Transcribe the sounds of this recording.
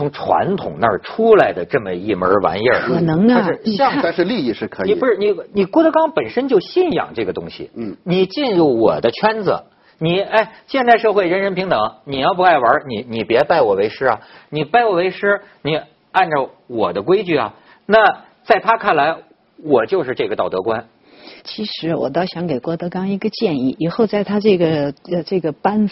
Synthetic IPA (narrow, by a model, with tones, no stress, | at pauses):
t͡sʰʊ˧˥ŋʈ͡ʂʰwa̰˧˥nt̪ʰʊ̰˨˩ŋnə˞˥˩ʈ͡ʂʰu˥la˧˥ɪd̪ə˧ʈ͡ʂɤ˥˩mə˨i˥˩mə̰˞˧˥wa̰˧˥njə˥˩˨nɤ˧˥ŋa˥˧ʂɻ̩˥˧ɕɑ˥˧ŋa˥˧ʂɻ̩˥˧li˥˧i˥˧ʂɻ̩˥˩kʰɤ˧˥ni˨˩˨u˧˥ʂɻ̩˥˩ni˨˩ni˨˩kwɔ˥d̪ə˧˥kɑ˥ŋpə˨˩nʂə˥nt͡ɕjo˥˧ʊɕi˥˩njɑ̰˨˩ŋʈ͡ʂɤ˥˩ɡə˩t̪ʊ̰˥ŋɕḭ˨˩ni˨˩t͡ɕi˥˧nɻu˥˩wɔ̰˨˩d̪ə˦t͡ɕʰɥɛ˥nd͡zə̰˩ | ni˨˩a˥˩ɪɕjɛ˥˧nt̪a˥˧ɪʂɤ˥˧xwe˥˩ɪɻə˧˥nɻə˧˥npʰi˧˥ŋt̪ɤ˨˩˦ŋni˨˩jɑ˥˧ʊp̬u˧˥a˥˩ɪwə˞˧˥ni˨˩ni˨˩pjɛ˧˥pa˥˩ɪwɔ˨˩we˧˥ɪʂɻ̩˥ɐ˨ni˨˩pa˥˩ɪwɔ˨˩we˧˥ɪʂɻ̩˥ | ni˨˩ | a˥˩nʈ͡ʂə˨˩ | wɔ˨˩d̪ə˦kwe˥ɪt͡ɕy˥˩ɐ̰˩ | na˥˩ | t͡sa˥˩ɪt̪ʰa˥kʰa˥˩nla˧˥ɪ | wɔ˨˩t͡ɕjo˥˧ʊʂɻ̩˥˧ʈ͡ʂɤ˥˩ɡə˩t̪ɑ˥˩ʊt̪ɤ˧˥kwa˥n | t͡ɕʰi˧˥ʂɻ̩˧˥wɔ̰˨˩t̪ɑ˥˩ʊɕjɑ˧˥ŋke˨˩ɪkwɔ˥˩t̪ɤ˧˥kɑ˥ŋi˧˥ɡə˧t͡ɕjɛ˥˧ni˥˩i˨˩xo˥˧ʊt͡sa˥˧ɪt̪ʰa˥ʈ͡ʂɤ˥˩ɡə˩˧ʈ͡ʂɤ˥˩ɡə˩pa˥n